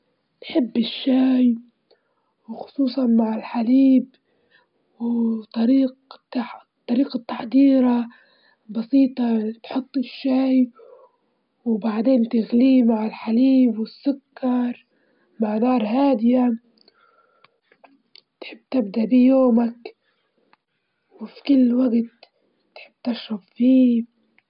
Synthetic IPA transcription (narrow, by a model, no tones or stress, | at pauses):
nħɪbːɪʃːaːj | wxʊ̥sˤuːsˤɑnmaʕɪlħaliːb | wt̪ˤɑɾiːqt̪a | t̪ˤːɑɾiːqɑt̪ːaħd̪iːɾɑ | bɑsiːt̪ˤɑt̪ħʊt̪ˤːɪʃːaːj | wbaʕd̪eːnt̪ɪɣliːmaʕalħaliːbwɪsːʊkːɑɾˤ | maʕnɑːɾˤhaːd̪ɪja | t̪ħɪbːt̪ɪbd̪aʔbijoːmak | wfikʊlːwaɡt̪ː | ħɪbːt̪ɪʃɾɑbfiː